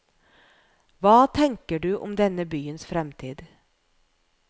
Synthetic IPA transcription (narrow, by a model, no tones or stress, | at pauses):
ʋɑːt̪ʰɛŋkəɖʉːʔɔ̰md̪ɛnəbyːənsfɾɛmt̪ʰiːd̪